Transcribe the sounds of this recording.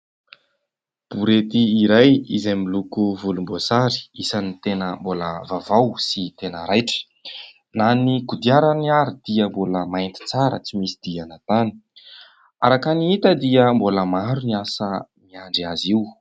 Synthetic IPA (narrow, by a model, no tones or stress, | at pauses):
b̥uɾet̪iːɾajizamilukuvulumbozaɾi̥isanit̪enəmbolə̰vavawsit̪enəɾajʈ͡ʂə̥ | naniɡud̪iaɾəniaɾid̪̥iəmboləmajnt̪i̥t͡saɾə̰t͡simisid̪̥ianat̪ani̥ | aɾakaniit̪əd̪iəmboləmaɾuniasəmiaɳɖ͡ʐiaziw